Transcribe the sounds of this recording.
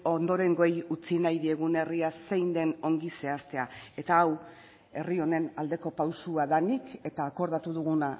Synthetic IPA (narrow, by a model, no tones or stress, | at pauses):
o̞nd̪o̞ɾe̞ŋɡojut͡sinajðie̞ɣune̞riase̞jnd̪e̞no̞ŋɡise̞ast̪e̞ae̞t̪aːw | e̞rio̞ne̞nald̪e̞ko̞pawsuaðanike̞t̪aːko̞ɾðat̪uðuɣ̞una